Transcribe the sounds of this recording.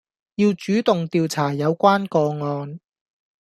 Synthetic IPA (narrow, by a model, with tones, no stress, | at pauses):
jiː˧wt͡ʃyː˨˥t̪ʊ˨ŋt̪iː˨wt͡sʰaː˨˩jɐ˨˧wkʷaː˥nkɔː˧ŋɔː˧n